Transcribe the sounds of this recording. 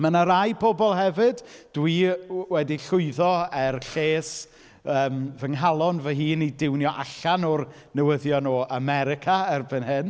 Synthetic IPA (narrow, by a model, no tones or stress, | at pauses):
mənaɾajpʰɔbɔlˠɦɛvɨdd̥wiwɛdiɬʊɨðɔɛrɬeːs | əːmvəŋɦalˠɔnvəɦiːnidɪwnjɔʔa̰ɬanɔr | nəwəðjɔnɔːʔamɛɾɪkʰaɛrbənɦɨn